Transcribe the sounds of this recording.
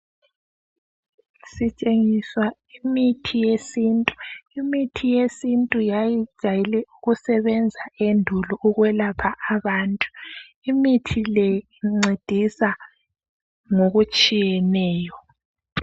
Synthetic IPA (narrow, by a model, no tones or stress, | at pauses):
sit͡ʃʼeŋiswa | imitʰijesiːntʼu̥imitʰijesintʼujajid̥ʒ̥ʱajilɛuɣusɛβɛnd͡zʱaendʱulɔʔuɣwɛlapʰaʔaβaːntʼu̥ | imitʰilɛiŋ͡ǀed̥ʱisa | ŋoɣut͡ʃʼijɛnɛːjɔ